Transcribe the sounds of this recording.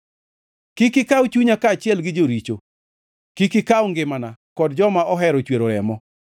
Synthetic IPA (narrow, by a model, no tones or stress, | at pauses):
kikɪkawt͡ʃuɲakaːt͡ʃɪɛlɡɪd͡ʒoɾit͡ʃo | kikɪkaʊŋɡɪmanakɔdd͡ʒɔmaɔɦɛɾɔt͡ʃweɾoɾɛmɔ